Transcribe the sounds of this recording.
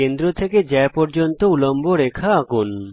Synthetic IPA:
end̪ɾot̪ʰeked͡ʑɛepɔɾd͡ʑont̪oulomboɾekʰaakun

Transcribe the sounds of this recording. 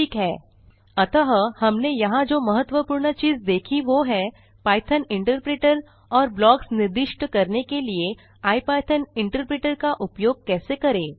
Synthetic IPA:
ʈʰiːkɦɛː | ɐt̪əɦəhɐmnejɐɦãd͡ʒoːmɐɦət̪ːwəpuːɾɳət͡ʃiːzd̪eːkʰiʋoɦɛ | paːɪt̪ʰənɪ̃ɳʈəɾpɾeːʈəɾ | ɔːɾblɔːksnɪɾd̪ɪʃʈkɐɾnekelie | aːipaːɪt̪ʰənɪ̃ɳʈəɾpɾeːʈəɾkaʔʊpjoːɡ̚kɛːsekɐɾẽː

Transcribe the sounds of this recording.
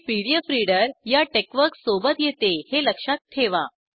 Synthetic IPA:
piɽjəfɾiɽəɾjaʈekʋəɾksobət̪jet̪eheləkʂat̪ːʰeʋa̰

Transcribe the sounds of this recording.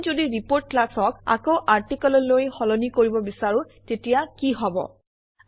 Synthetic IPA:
zodiɹipoɹtlasɔka̰kowʔaɹtikɔlɔlojxɔlɔnikoɹibɔbisaɹʊ̃ | tetijakiɦɔbɔ̰

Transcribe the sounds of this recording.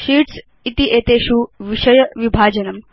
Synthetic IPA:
ʃiːʈs | it̪iʔeːt̪eːʃuʋiʃɐjɐʋibʱaːd͡ʒɐnɐm

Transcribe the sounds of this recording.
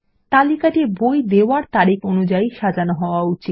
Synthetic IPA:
t̪alikaʈibojd̪eoaɾt̪aɾikonud͡ʑaiʃad͡ʑanoɦɔoaut͡ɕi

